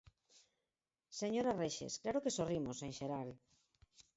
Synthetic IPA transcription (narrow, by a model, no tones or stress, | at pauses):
seɲoɾareʃḛsklaɾokesorimoseŋʃeɾaɾ